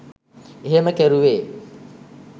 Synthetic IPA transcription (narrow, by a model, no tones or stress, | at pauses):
eɦeməkæɾuʋeː